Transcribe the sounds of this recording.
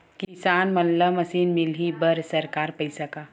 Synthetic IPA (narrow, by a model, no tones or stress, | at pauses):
kisaːnmɐlləmɐsiːnmɪlɦibəɾsɐɾkaːɾpəisɐkaː